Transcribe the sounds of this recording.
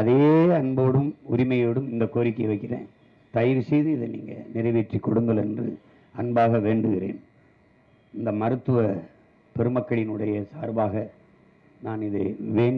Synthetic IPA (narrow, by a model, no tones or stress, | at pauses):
ɐðeːɐɳboːɽɯmʊɾɪmɐjoːɽɯmɪnd̪ɐkːoːɾɪkːɐjʋɐɪkːɪrḛ̃ːn | t̪ɐjɪɾsɛjðɯɪðɯnḭːŋɡɐ̰nɪrɐɪʋeːʈrikːɔɽɯŋɡ̪ɐlɛndrɯ̰ | ɐnbaːɣɐʋeːɳɖɯɣɪrḛːn | ɪnd̪ɐmɐɾɯt̪ːɯʋɐ | pɛɾɯmɐkːɐɭɪnɯɽɐjɐsaːɾbaːɣɐ | naːnɪðɯʋeːɳ